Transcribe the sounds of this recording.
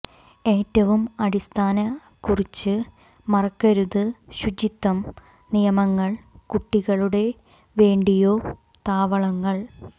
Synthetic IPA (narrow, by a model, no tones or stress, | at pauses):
e̞ːtːɐʋumɐɽist̪ʰaːnɐ | kurit͡ɕːɨ | mɐrɐkːɐɾuðɨɕud͡ʑit̪ːɐm | nijɐmɐŋːɐɭkuʈːiɣɐɭuɽe̞ | ʋe̞ːɳɖijo̞ː | t̪aːʋɐɭɐŋːɐɭ